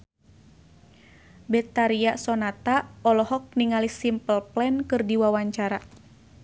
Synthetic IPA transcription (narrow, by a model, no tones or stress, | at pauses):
bɛt̪aɾiasɔnat̪aɔlɔhɔk̚niŋalisimpəlplɛnkɨrdiwawaɲt͡ʃaɾa